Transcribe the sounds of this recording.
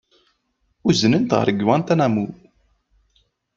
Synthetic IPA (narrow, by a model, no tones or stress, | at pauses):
uzənənt̪ʁə̰ɾɡwænt̪ænæmu